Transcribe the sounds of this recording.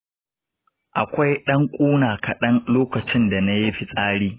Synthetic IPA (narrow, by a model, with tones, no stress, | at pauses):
ʔa˨kʷa˦jɗɐ˦ŋkʷʼuː˦naː˨kɐ˨ɗɐ˦nloː˦kɐ˨t͡ʃɪ˦nda˨na˦jɪ˦ɸi˨sʼaː˦ɽiː˦